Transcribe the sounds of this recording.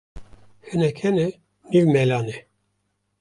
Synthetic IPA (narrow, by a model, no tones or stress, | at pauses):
hɛnɛkʰɛnɛ | niwmɛlɑːnɛ